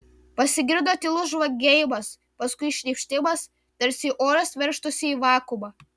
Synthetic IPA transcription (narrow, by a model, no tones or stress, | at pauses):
pɐsʲɪɡʲɪɾd̪oːt̪ʲɪlˠʊsʒʋɐɡʲejmɐs | pɐskʊɪʃʲnʲɛpʲʃʲt̪ʲɪmɐs | t̪ɐɾʲsʲɪʔoːɾɐsʋʲɛɾʃt̪ʊsʲɪiːʋɑːkʊmɑ